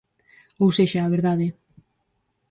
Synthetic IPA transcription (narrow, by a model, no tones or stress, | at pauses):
owseʃaːβ̞eɾðaðe